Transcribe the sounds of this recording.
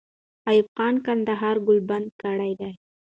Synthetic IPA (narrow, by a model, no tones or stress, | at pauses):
ajubqɑnkand̪aɦɑɾɡʊlband̪̚kaɽajd̪aj